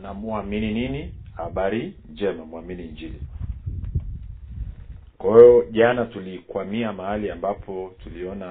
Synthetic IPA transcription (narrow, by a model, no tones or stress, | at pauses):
namuaminininihaɓaɾind͡ʒɛmamuaminiɲd͡ʒilḭ | kwahijɔʄanatulikwamiamahaliambapʰɔtuliɔna